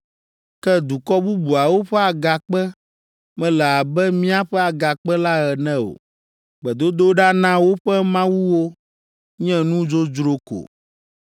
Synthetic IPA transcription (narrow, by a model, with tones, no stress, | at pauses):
kɛ˦d̪u˨kɔ˦bu˦bu˨a˨wo˦ɸɛ˦a˨ɡa˨k͡pɛ˦ | mɛ̃˦lɛ˨a˨bɛ˦mĩ˦a˦ɸɛ˦a˨ɡa˨k͡pɛ˦la˦ɣɛ˨nɛ̃˦o̰˨ | k͡pɛ˨d̪o˦d̪o˦ɖa˦nã˦wo˦ɸɛ˦mã˦wu˦wo˦ | ɲɛ̃˦nũ˦d͡ʒo˦d͡ʒɾo˦ko̰˨